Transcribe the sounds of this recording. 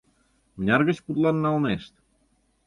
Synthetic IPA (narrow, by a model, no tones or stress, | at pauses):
mənʲɑrɣə̆t͡ɕput̪lɑnːɑlneʃt̪